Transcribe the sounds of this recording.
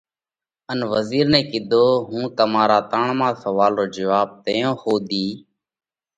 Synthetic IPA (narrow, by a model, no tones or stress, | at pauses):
ənʋəziːɾnɛ̃ːkɪd̪oːɦũːt̪əmaːɾaːt̪əɳmãːsəʋaːlɾoːd͡ʒəʋaːb̚t̪əːjõːhoːd̪iː